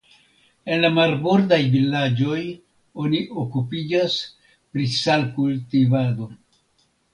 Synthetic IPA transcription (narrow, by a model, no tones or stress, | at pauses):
e̞nlamaɾboɾdajvilad͡ʒo̞j | o̞niʔokupid͡ʒas | pɾisalkultivado̞